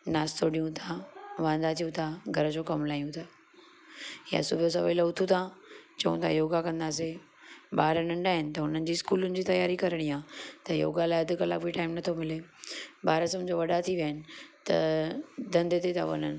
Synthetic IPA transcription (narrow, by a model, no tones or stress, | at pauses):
naːst̪ʰoɖijũt̪ʰaʋãːnd̪aːt̪ʰijũt̪ʰaɡʱɐɾəd͡ʑokɐmlaːijũt̪ʰaː | ja̰sʊbʱijos̬ɐʋeːləʊt̪ʰũt̪ʰãt͡ɕɐũt̪ʰajoːɡakɐ̃nd̪aːs̬e | baːɾənɐ̃ɳɖaːɦɪnɪ̆t̪ɐɦʊnənɪ̆d͡ʑiːskuːlʊnɪ̆d͡ʑiːt̪ɐjaːɾikɐɾəɽ̃iãt̪ɐjo̰ːɡalaːɪɐd̪ʱɪ̆kɐla̰bʱiʈaːɪmnɐt̪ʰomɪlebaːɾəsɐmd͡ʑoʋɐɗat̪ʰiʋjəːɪnɪ̆t̪ɐd̪ɐ̃nd̪et̪et̪ʰã̰ʋɐ̰nənɪ̆